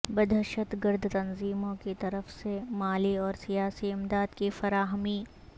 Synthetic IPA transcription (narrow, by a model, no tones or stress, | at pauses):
bɐd̪ʱəʃət̪ɡɪɾd̪ʱt̪ɐnziːmõkit̪ɐɾəfsemaːliɔːɾsijaːsiɪmd̪aːd̪kifɐɾaːɦmi